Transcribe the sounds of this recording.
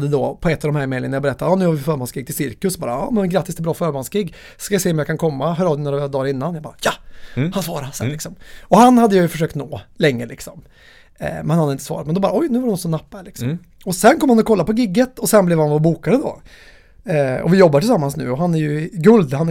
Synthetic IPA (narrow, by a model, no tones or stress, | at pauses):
d̪ːəd̪ɔpʰɔɛt̪ːavd̪ɔmhɦæːɾmeːɪŋənajabɛɾɛt̪ːaɾɑnʉ̟havɪfœːɾmɔnskɪɡt̪ʰɪlsɪɾkəsbɑːɾa̰ɑ̰ːmɛnnɡɾat̪ːɪst̪ɛbɾɑːfœːɾmɔnsɡɪɡː | skajaseːɔmjakʰankʰɔmːaɦœːɾɑːd̪ɛnoːɾad̪ɑːɾɪnːanjɑbɑːɾajahansvɑːɾasɛ̰nlɪksɔmɔhanhad̪ːəjajɵfœʂ̬øːkt̪noːlɛŋːəlɪ̰ksɔm̰ | mɛnhand̪ɪt̪əsvɑ̰ːɾat̪mɛnd̪ɔbɑːɾaɔjnʉːvaɾɖnɔt̪sɔnapːaɛɭɪksɔm | ɔsɛnkʰɔmːhanɔkʰɔlːapɔɡɪɡːət̪ɔsɛnblɛːvhanvɔbuːkad̪əd̪o̰ | ɔ̰vɪjɔbːaɾʈʰɪlsamːansnʉ̟̰ːɔɦanæɾjɵɡɵld̪han